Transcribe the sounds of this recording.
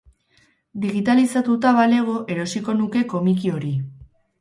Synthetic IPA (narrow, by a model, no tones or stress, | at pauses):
d̪iɣit̪alisat̪ut̪aβale̞ɣ̞o̞ʔe̞ɾo̞siko̞nuke̞ko̞mikio̞ɾi